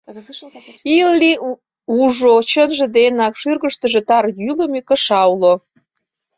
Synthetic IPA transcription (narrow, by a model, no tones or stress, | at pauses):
ilːi | uʒot͡ɕənʒə̆d̪enɑkʃyrɣəʃt̪ə̆ʒĕt̪ɑrjylə̆mikə̆ʃɑwlo